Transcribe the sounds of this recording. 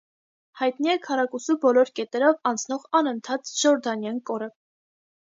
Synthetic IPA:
hɑjt̪niɛkʰɑɾɑkusubɔlɔɾkɛt̪ɛɾɔvɑnt͡sʰn̪ɔʁɑnənt̪ʰɑt̪ʒ̥ɔɾd̪ɑnjɑnkɔɾə

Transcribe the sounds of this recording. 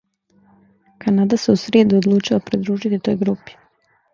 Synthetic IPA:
kanad̪aseusɾeːd̪uod̪lˠuːt͡ʃilapɾid̪ɾuːʒit̪it̪o̞ːjɡɾupi̥

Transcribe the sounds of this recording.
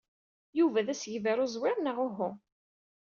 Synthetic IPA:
juvæðæsʝvæɾʊzwɪɾnəʁʊɦʊ

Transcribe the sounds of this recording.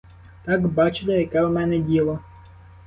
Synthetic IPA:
t̪ɑɡbɑt͡ʃɪlʲˠejɐkɛwmɛnɛdʲilˠɐ

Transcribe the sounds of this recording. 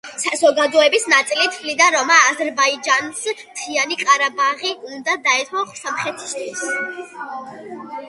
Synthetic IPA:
sazɔɡad̪ɔɛbisnat̪sʼilit̪ʰblid̪aɾɔmaːzɛɾbaid͡ʒansmt̪ʰianiqʼaɾabaʁiund̪ad̪aɛt̪ʰɔχsamχɛt̪ʰi̥st̪ʰwis

